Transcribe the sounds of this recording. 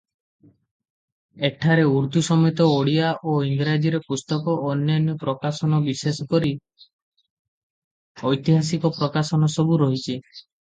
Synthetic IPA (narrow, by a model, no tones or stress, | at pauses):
ekʈʰaɾeuɾt̪usɔmɔjt̪ɔoɽiaʔoiŋɡɾad͡ʒiɾepust̪ɔkɔʔɔnjanjɔpɾɔkasɔnɔbisesɔkɔɾi | ɔjt̪iɦasikɔpɾɔkasɔnɔsɔbuɾɔɦit͡ʃʰi